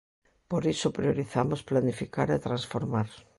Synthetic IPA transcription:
poɾisopɾioɾiθamosplanifikaɾet̪ɾansfoɾmaɾ

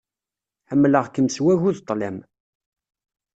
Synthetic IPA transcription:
ħəmːləʁkəmswæʝuðt̪ˤːlæm

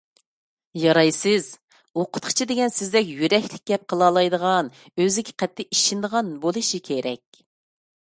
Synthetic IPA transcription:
jɑɾɑjsɪz̥ | oqʰʊ̥t̪̚qʰə̥t͡ʃʰid̪ɪɡʲɛnsɪzd̪ɛkʲjyɾɛkʲlɪk̚ʲɡʲɛp̚qʰəlˠɑːlˠɑjd̪əʁɑn | øzɪkʲʰɪ̥qʰɛt̪ʰːɪʔiʃind̪əʁɑnbolˠɨʃikʲʰeɾʔɛkʲ

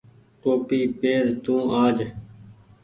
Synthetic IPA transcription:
ʈoːpiːpeːɾt̪ũːʔaːd͡ʒ

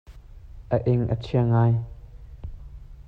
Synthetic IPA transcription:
ʔəʔɪŋʔə̰t͡sʰiəŋaːj

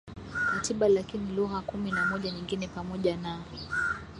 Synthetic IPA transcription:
katiɓalakiniluɣakuminamɔʄaɲiŋɡinɛpamɔʄana

